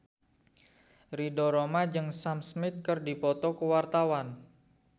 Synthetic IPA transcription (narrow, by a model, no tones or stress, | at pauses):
ridɔɾomad͡ʒɨŋsamsmɪt̪̚kərdipɔt̪ɔkəwart̪awan